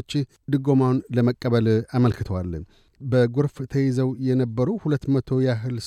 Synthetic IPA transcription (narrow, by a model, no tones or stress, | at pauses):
t͡ʃːɪ | d̪ɨɡo̞mawnləməkʼːəβəlaməlkɨt̪ʰəwalː | bəɡuɾft̪ʰəjizəwjɛnəbːəɾuhulət̪ːmət̪ʰo̞jaɦɨls